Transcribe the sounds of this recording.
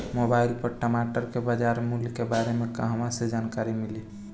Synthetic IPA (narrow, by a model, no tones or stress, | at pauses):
mobailpəɾʈəmaʈəɾkebad͡ʒaɾmulkebaɾemekaɦəmãsed͡ʒankaɾimili